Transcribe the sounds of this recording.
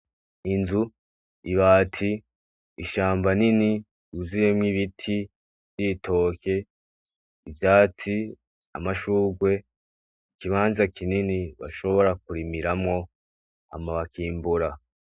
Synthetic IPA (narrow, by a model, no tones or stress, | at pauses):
inzu | iβaːtʰiː | ʃaːmbanini | uzijemŋiβitʰi | vjitʰo̞ke̞ | ivjaːt͡si | a̰maʃuːɡwe̞ | ikiβaːnzakininiβa̰ʃo̞βo̞ɾak̚uɾimiɾamŋo̞ | a̰maβakiːmbuɾa